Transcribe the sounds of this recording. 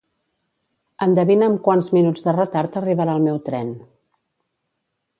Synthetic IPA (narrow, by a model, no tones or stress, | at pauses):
ənd̪əβinəmkwanzminud͡zðərət̪aɾt̪əriβəɾaəlˠmɛwt̪ɾɛn